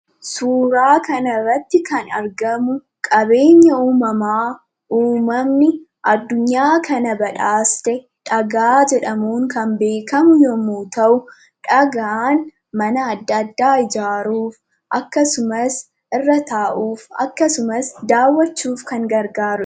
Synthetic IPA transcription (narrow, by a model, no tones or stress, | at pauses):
suːɾaːkɐnɐrːɐt̪ːɪkɐnɐɾɡɐmʊ | kʼɐbe̞ːɲːɐuːmɐmaː | ʔuːmɐmnɪ | ʔɐd̪ːʊɲːaːkʰɐnɐbɐᶑaːst̪ɛ | ᶑɐɡaːd͡ʒɛᶑɐmuːŋkɐmbe̞ːkɐmʊjɔmuːt̪ɐʔʊ | ᶑɐɡaːn | mɐnɐːd̪ːɐd̪ːaːɪd͡ʒaːɾuːf | ʔɐkːɐsʊmɐs | ʔɪrːɐt̪aːʔuːfɐ̰kːɐsʊmɐsd̪aːwːɐt͡ʃːuːfkɐŋɡɐɾɡaːɾʊ